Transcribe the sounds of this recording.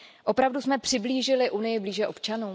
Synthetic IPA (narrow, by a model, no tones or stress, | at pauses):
ʔo̞pɾavdusmɛpr̥ɪbliːʒɪlɪʔunɪjɪbliːʒɛʔo̞pt͡ʃanuː